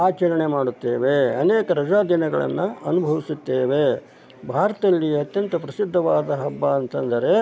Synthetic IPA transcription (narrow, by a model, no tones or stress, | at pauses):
aːt͡ʃɐɾɐɳemaːɽut̪ːḛːʋeɐ̰neːkɐɾɐd͡ʒaːd̪inɐɡɐɭɐ̰nːuɐnubʱɐʋisit̪ːeːʋe̞ | bʱaːɾɐt̪ɐlːiɐt̪jɐnt̪ɐpɾɐsid̪ʱːɐʋaːd̪ɐɦɐbːaɐnt̪ɐnd̪ɐɾe̞